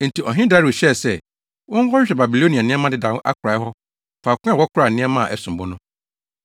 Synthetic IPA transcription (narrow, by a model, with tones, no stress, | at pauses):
n̩˨ti˨ʔɔ˨ɦɪ̃˦da˦ɾɪ˨ɕɛ˦˨sɛ˦ | wɔ̃˦ŋ˦hɔ˦ɕᶣɛ˨ba˨bi˨lo˦nĩ˨a˨nɪ̃˦ɛ˦mã˦dɪ˦dã˨˦ʔa̰˦kʰʊ˨ɾa˨˦ɦɔ˦ | faː˨kʷʊ̃˦a˨wɔ˦kʰʊ˦ɾa˨nɪ̃˦ɛ˦mã˦˨ʔɛ˦sʊ̃˨bʊ˦nʊ̃˦